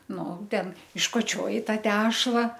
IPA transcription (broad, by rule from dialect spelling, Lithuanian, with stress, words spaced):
ˈnʊ ˈtʲɛn ɪʃkoːˈt͡ʃʲoːjɪ ˈtɑː ˈtʲæːʃlˠɐ